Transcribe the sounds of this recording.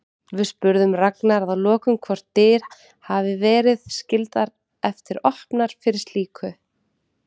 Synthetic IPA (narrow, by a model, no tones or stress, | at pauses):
vɪðspʏɾðʏmraknaɾðaðlɔːkʏmkʰvɔɾ̥t̪ːɪːɾ̥ | havɪvɛːɾɪðscɪlt̪aɾ | ɛft̪ɪɾɔhpnaɾ̥fɪɾɪ̥ɾst̪liːkʰʏ